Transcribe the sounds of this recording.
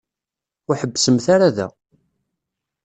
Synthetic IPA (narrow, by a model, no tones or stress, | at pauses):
ʊħəbːsəmθaɾaðæ̰